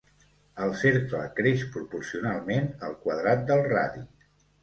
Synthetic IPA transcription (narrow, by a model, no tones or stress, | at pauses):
əlˠseɾklə̰kɾeʃpɾupuɾsiunalˠmenəlˠkwəðɾat̪̚d̪əlˠraði